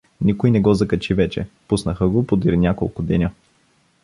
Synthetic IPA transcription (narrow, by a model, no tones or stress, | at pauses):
nʲikʊjnɛɡɔzɐkɐt͡ʃivɛt͡ʃɛ̰pusnəxəɡopod̪iɾnʲjakolˠkʊd̪ɛnʲə